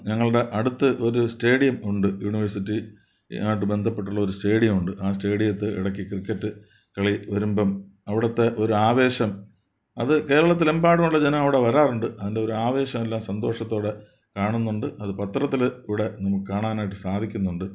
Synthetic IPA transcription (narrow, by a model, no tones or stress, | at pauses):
ɲɐŋːɐɭɽe̞ʔɐɽut̪ːɨʔo̞ɾuste̞ːɽijɐmuɳɖɨjuɳiʋɐrsitːi | aːʈ̬ːɨbe̞nd̪ʱɐpːe̞ʈːuɭːɐo̞ɾuste̞ːɽijɐmuɳɖɨʔaːste̞ːɽijɐt̪ːɨḭɽɐkːikrikːɐtːɨ | kɐɭiʋɐɾumbɐmɐʋiɽɐt̪ːe̞ʔo̞ɾuaːʋe̞ːɕɐm | ɐðɨke̞ːɾɐɭɐt̪̬ːilembaːɽɐmuɭːɐd͡ʑenɐmɐʋiɽe̞ʋɐɾaːruɳɖɨɐðinde̞o̞ɾuaːʋe̞ːɕɐmelːaːmsɐnd̪ʱo̞ːʂɐt̪ːo̞ːɽe̞ | kaːɳunːuɳɖɨʔɐðɨpɐt̪rɐt̪ːilkuʋɽe̞nɐmukːɨkaːɳaːnaːjiʈːɨsaːd̪ʱikʲːunːuɳɖɨ